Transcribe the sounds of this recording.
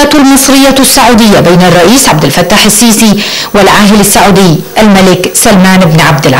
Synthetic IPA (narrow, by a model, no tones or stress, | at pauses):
at̪almɨsˤɾɪjːasːaʕuːd̪ɪjːabejːnɑrˤːɑʔiːsʕabd̪ɪlfat̪ːaːħasːiːsi | wɪlʕaːɦɪlasːaʕuːd̪ɪjːʔalmalɪksalmaːnʔɪbnʕab̚d̪ɪlʕ